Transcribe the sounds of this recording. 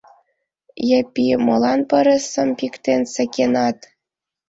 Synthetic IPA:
jəpʲimɤ̆lˠɑnpɤ̆ɾə̆sə̆mpikt̪ensə̆kʲenɑt̪

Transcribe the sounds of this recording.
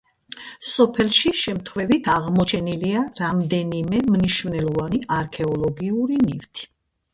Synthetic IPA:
sɔpʰɛlʃiʃɛmt̪ʰχwvɛvit̪ʰaʁmɔt͡ʃʰɛniliaɾamd̪ɛnimɛmniʃvnɛlɔvaniʔaɾkʰɛɔlˠɔɡiuɾinift̪ʰi̥

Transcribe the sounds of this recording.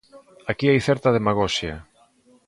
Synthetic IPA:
akiajθɛɾt̪ɐð̞emaɣɔʃja

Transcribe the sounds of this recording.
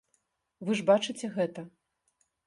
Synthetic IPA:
vɨʐbat͡ʂɨt͡sʲɛɣɛt̪ɐ

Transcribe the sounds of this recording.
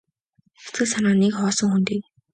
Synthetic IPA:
xe̥t͡sɡɘ̆sanaːnekχɔːsɞ̆ŋxunt̪iːk̚

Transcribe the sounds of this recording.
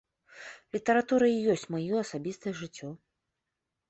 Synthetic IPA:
lʲit̪ɐɾat̪uɾɐijɔsʲt͡sʲmajɔɐsabʲist̪ɐjɛʐɨt͡sʲːɔ

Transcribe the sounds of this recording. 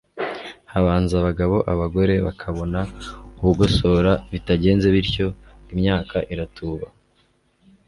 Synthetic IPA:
haβaːnzaβaɡaβo̞ʔaβaɡo̞ɾe̞βakʰaβo̞nauβuɡo̞so̞ːɾaβitaɟe̞ːnze̞βiɾco̞ | imɲaːkʰaʔiɾatuːβa

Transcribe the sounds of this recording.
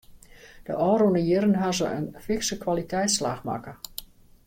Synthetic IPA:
d̥əʔɔːɾonəjɪɾənɦazəʔə̰nfɪksəkʋalitʰɛjtsla̰xma̰kə

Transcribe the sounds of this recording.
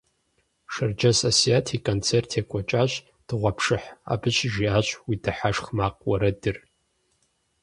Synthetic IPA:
ʂɨrd͡ʒɐsosijaːtʰiːkʷʼont͡sʰertʰjekʷʼɔt͡ʃʼaːɕ | d̥ɨʁʷɐpʰʂɨħa̰ːbɨɕʒiaːɕʼwiːdɨħaʂχmaːq̚ʼwɐɾɐdɨr

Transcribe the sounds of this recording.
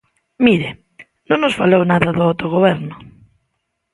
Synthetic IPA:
miɾɪ | nõŋnosfalownaðɐðʊawt̪oɣoβɛɾnʊ

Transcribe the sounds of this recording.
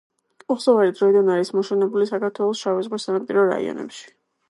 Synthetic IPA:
ɔχsɔvaɾid̪ɾɔid̪anaɾismɔʃɛnɛbulisakaɾt̪ʰwɛlˠɔsʃavɛzʁwisanampʼiɾɔɾa̰ḭɔ̰nɛ̰pʃi̥

